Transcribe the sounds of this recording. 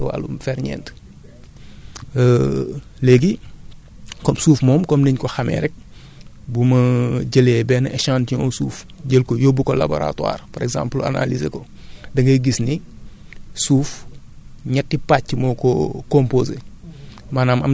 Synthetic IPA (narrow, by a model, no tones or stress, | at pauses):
wa̰lṵmfɛɾɲɛ̰nt | lɛːɡi | kɔmsuːfmɔːmkɔmniɲkɔxɐmɛ̰ːɾɛk̚ | bumɐɟəlɛbɛːnɐʔɛʃãːntiɲɔsuːf | ɟəlkɔjɔbukɔla̰bo̰ɾa̰twa̰ːrpɔɾɛɡzã̰ːmpla̰na̰lizekɔ | dɐŋɡɐɡisni | suːf | ɲɛtːipacːimɔkɔkɔmpoːzḛ | manaːmɐm